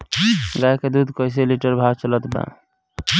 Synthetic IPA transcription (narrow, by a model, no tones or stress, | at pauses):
ɡajked̪ud̪ʱkəjs̬eliʈəɾbʱaɡt͡ʃələt̪bã̰